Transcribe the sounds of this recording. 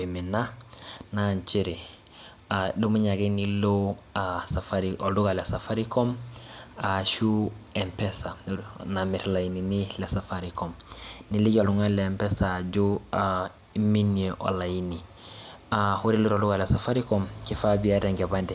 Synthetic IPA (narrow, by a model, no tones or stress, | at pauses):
iminanaɲt͡ʃiɾi | adumuɲaɡinilo | asafaɾiolduɡalesafaɾikom | aʃuempesanamiɾlajininilesafaɾikomniliɟoluŋaleːmpesaɟua | minieʔo̰lajini | ahuɾiluɾolduɡalesafaɾikomkifabiaɾeŋɡebandi